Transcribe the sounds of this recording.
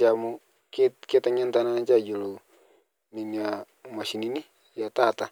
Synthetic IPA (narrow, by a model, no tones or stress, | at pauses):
amu | ketkit̪aɲant̪ananat͡ʃad͡ʒulu | ninia | masinini | jat̪at̪a